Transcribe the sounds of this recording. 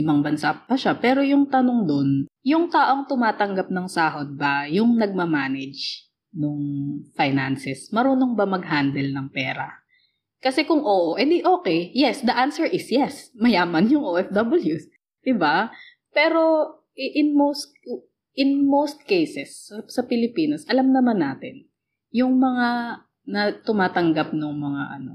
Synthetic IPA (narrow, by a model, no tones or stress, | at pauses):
ɪmɐŋbɐnsapɐʃapɛːɾo̞jʊŋt̪ɐnoŋd̪o̞njʊŋt̪aːʔo̞ŋt̪ʊmaːt̪ɐŋɡap̚nɐŋsaːɦod̪̚bɐjʊŋnɐɡ̚mɐmaːnɛd͡ʒ | noŋfɐjnansɛsmɐɾuːno̞ŋbɐmɐɡ̚ɦand̪ɛlnɐŋpɛːɾɐ | kɐsɛkʊŋʔoːʔoʔɛnd̪ɪʔoːkɛjjɛsd̪ɐʔansɛɹʔɪsjɛsmɐjaːmɐnjʊŋʔoɛfd̪ɐbɐljus | d̪̥ɪba | pɛːɾo̞ | ʔɛʔɪnmowst̪̚ | ɪnmowst̪̚kejsɛsɐsɐpɪlɪpiːnɐsʔɐlɐmnɐmanːaːt̪ɪn | jʊŋmɐŋa | nɐt̪ʊmaːt̪ɐŋɡap̚nʊŋmɐŋa̰ʔɐno̞̰